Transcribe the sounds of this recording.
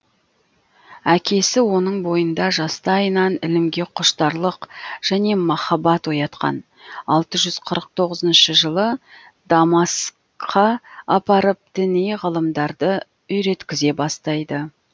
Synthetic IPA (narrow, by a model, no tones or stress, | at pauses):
ækʲʰe̞sɪwo̞nəɴbo̞jənd̪ɑʒɑst̪ɑɑjənɑnɪlɪmɡʲe̞qʰʊʃt̪ɑɾlˠəqʒ̥æne̞mɑχɑbɑt̪wo̞jɑt̪qɑ̰n | ɑlˠt̪əʒʏz̥qʰəɾəq̚t̪ʰo̞ʁəzənʃəʒəlˠə | d̪ɑmɑs | qʰɑɑpɑɾəp̚d̪̥ɪnejʁəlˠəmd̪ɑɾd̪ə | ʏjɾe̞t̪kʲɪze̞bɑst̪ɑjd̪ə